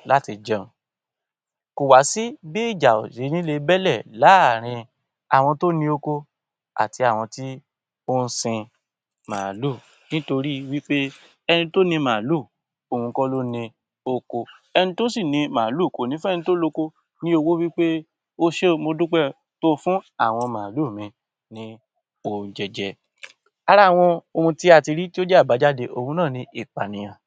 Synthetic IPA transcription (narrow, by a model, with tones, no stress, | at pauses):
la˦ti˧d͡ʒɛ̃˦˨ | ko˨wa˨˦si˦bi˦i˦˨d͡ʒa˨o̰˨je˨˦nĩ˦le˧bɛ˦lɛ˦˨la˨˦˨ɾ̃ĩ˧ | a˨w̃ɔ̃˧to˦nĩ˧o˧ko˧ | a̰˨ti˧a˦˨w̃ɔ̃˧ti˦ | o˦n̩˦sĩ˧ | mã̰ː˨lu˦˨ | nĩ˦to˧ɾi˦wi˦k͡pe˦ | ɛ˧nĩ˧to˦nĩ˧mã˨lu˦˨ | o˨ũ˧kɔ˦lo˦nĩ˧ | o˧ko˧ | ɛ˧nĩ˧to˦si˦˨nĩ˧mã˨lu˦˨ko˨nĩ˦fu˦ɛ˦˧ĩ˧to˦lo˧ko˧ | nĩ˦o˧wo˦wi˦k͡pe˦ | o˦ʃe˦˧mo˧dũ˦k͡pɛ˦˨ | to˦fũ˦a˦˨w̃ɔ̃˧mãː˨lu˦˨mĩ˧ | nĩ˦ | o˧˨d͡ʒɛ˧d͡ʒɛ˧ | a˧ɾa˦˨w̃ɔ̃˧o˧hũ˧ti˦a˧˨ti˧ɾi˦ti˦o˦d͡ʒɛ˦a˦˨ba˨˦d͡ʒa˦de˧ʔo˧hũ˧nãː˦˨nĩ˧˦ʔi˦˨k͡pa˨nĩ˨j̃ã˨